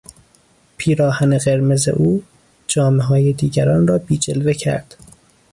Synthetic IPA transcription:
pʰiːɾɒːhæneɣe̞ɾme̞ze̞̰ʔuː | d͡ʒɒːmeɦɒːje̞d̪iːɟæɾɒːnrɒːbiːd͡ʒelve̞cʰæ̰ɾd̪̥

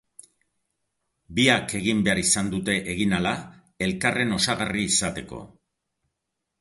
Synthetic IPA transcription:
biake̞ɣ̞imbe̞aɾisand̪ut̪e̞ʔeɣinala | e̞lkare̞no̞saɣariːsat̪e̞ko̞̰

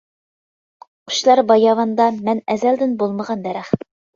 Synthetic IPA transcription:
qu̥ʃlˠɑɾbɑjɑvɑnd̪ɑmɛnæzæld̪ɪnbolˠməʁɑnd̪æɾæχ

